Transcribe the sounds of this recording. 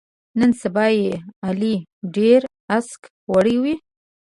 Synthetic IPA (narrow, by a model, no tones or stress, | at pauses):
nənsabɑjealiɖeɾ | ask | waɽiwi